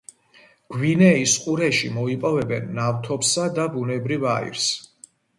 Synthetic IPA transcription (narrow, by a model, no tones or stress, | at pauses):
ɡ̥winɛisqʼuɾɛʃimɔipʼɔvɛbɛnːaft̪ʰɔpsad̪abunɛbɾivaḭɾs